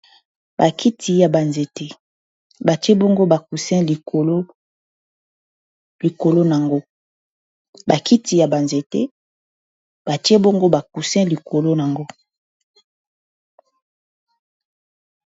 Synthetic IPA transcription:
ba˨kʰi˦tʰi˨ja˨ba˨nze˨te˦ | ba˨ti˦e˦bo˦ŋɡo˦ba˨ku˨sɛ̃˦˨lo˦ | li˨ko˨lo˦na˨ŋɡo˦ | ba˨ki˦ti˨ja˨ba˨nze˨tḛ˦ | b̥a˨ti˦e˦bo˦ŋɡo˦ba˨ku˨sɛ̃˦li˨kʰo˨lo˦na˨ŋɡo˦

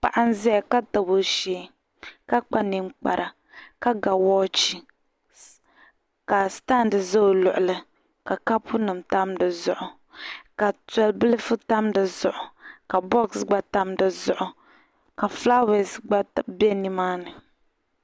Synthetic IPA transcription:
pa̰˨ʔa˦n˦zɛ˦ja˨ka˦ta˨bo˨˦ʃeː˦ | ka˦k͡pa˦nɨ˦mk͡pa̰˨ɾʔa˨ | ka˦ɡa˨wɔː˦t͡ʃi˦ | ka˨sta˦ndɨ˨zo˦o˨lʊ˨ʔʊ˨lɨ˦ | ka˨ka˦pʊ˦nɨ˨mta˦mdɨ˨zʊ˨ʔʊ˨ | ka˨tɛ˨˦lbɨ˦lɨ˦fʊ˦ta˦mdɨ˨zʊ˨ʔʊ˨ka˨bɔ˦ksɡ͡ba˦ta˦mdɨ˨zʊ˨ʔʊ˨ | ka˨fla˦we˨sɡ͡ba˦bɛ˦nɨ˦maː˦nɨ˨

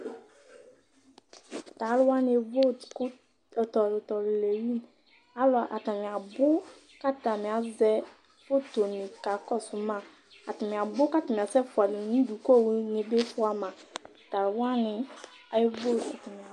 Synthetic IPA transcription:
ta˨˦lwa˦n˦e˨vo˦tk | tɔ˨ltɔ˨lle˨wi˦n | a˦lɔ˨a˨ʔa̰˨ta˨mĩ˨a˨bʊ˦ | ka˦ta˨mĩ˨a˨zɛ˦ | fo˦to˨nĩ˨ka˨kɔ˦sʊ˨˦mã˦˨ | a˨ta˨mĩ˨a˨bʊ˦ka˦ta˨m̃˨a˨sɛ˦fʊ˨a˨li˨nũ˦du˨ko˦˨wu˦nĩ˨be˦fʊ˦a˨mã˨ | ta˨ɾwa˦nɪ̃˨ | a˨˦jvo˦˨la̰˨ta˨mĩ˨a˨

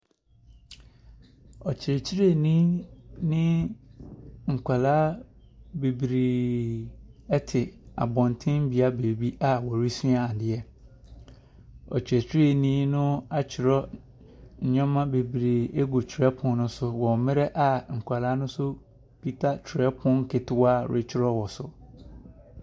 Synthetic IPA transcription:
ɔ˨t͡ɕʰɪ˨ɾɛ˨t͡ɕʰi˦ɾe˦˨nĩ˦nɪ̃˦ | ŋ̩˨kʷʰa˨laː˦ | be˨bɾeː˨ | ɛ˦tʰɪ˨a̰˨bɔ̃˨ntʰɪ̃˦m˦bi˨a˦beː˨bi˦ʔa˦˨wɔ˨ɾi˦sũ˦a˨dɪ˦ɛ˦ | ɔ˨t͡ɕʰᶣɛ˨t͡ɕʰᶣɪ˦e˦˨nĩː˦nʊ̃˦a˦t͡ɕʰɪ˨ɾɔ˦ | ɲ̩˨ɲᶣɔ̃˦mã˦be˨bi˨ɾi˨e˦ɡu˨t͡ɕʰɪ˨ɾɛ˦pʰʊ̃˦nnʊ̃˦sʊ˦wɔ̃˨mɪ̃˦ɾɛ˦ʔa˨ŋ̩˨kʷʰa˨laː˦nʊ̃˦sʊ˦ | pʰi˦tʰa˦t͡ɕʰᶣɾɛ˦pʰʊ̃˦ŋ̩˦kʰe˨tɪ˦wa˦˨ɾʔe˨t͡ɕʰɪ˦ɾɔ˦wɔ˨sʊ˨

